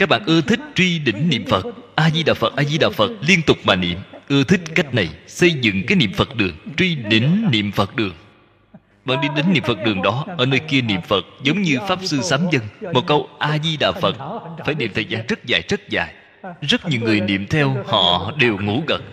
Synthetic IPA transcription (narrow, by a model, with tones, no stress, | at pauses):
kaː˦˥k̚ɓaː˧˨nʔɨ˧ət̪ʰï˦˥k̟̚t͡ɕwi˧ɗï˧˩˦ŋ̟nḭ˧˨əmfə˨˩t̚ʔaː˧zi˧ɗaː˨˩fə˨˩t̚ʔaː˧zi˧ɗa̰ː˨˩fə˨˩t̚li˧ənt̪ʊ˨˩k͡p̚maː˨˩nḭ˧˨əmʔɨ˧ət̪ʰï˦˥k̟̚ka˦˥k̟̚na˨˩jsə˧jzɨ̰˧˨ŋkaː˨˦jnḭ˧˨əmfə˨˩t̚ɗɨ˨˩əŋt͡ɕwi˧ɗi˧˩ŋ̟nḭ˧˨əmfə˨˩t̚ɗɨ˨˩əŋ | ɓa̰ː˧˨nɗi˧ɗi˨˦ŋ̟nḭ˧˨əmfə˨˩t̚ɗɨ˨˩əŋɗɔ˨˦ʔəː˧˩nəː˧jki˧ənḭ˧˨əmfə˨˩t̚zə˨˦wŋ͡mɲɨ˧faː˦˥p̚sɨ˧saː˨˦mzə˧ŋmo˨˩t̚kə˧wʔaː˧zi˧ɗa̰ː˨˩fə˨˩t̚faː˧˩jnḭ˧˨ət̪ʰəː˨˩jzaː˧nzə˦˥t̚za̰ː˧˨˩jzə˦˥t̚za̰ː˧˩j | zə˦˥t̚ɲi˨˧˩əwŋɨ˨˩əjnḭ˧˨əmt̪ʰɛ˧whɔ̰˧˨ɗe˨˩wŋu˧˥ɣə˨˩t̚